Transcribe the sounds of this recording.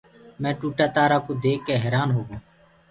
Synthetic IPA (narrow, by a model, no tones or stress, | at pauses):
mɛ̃ːʈuːʈaːt̪aːɾaːkoːd̪eːkːeːɦeːɾaːnɦoːɡõː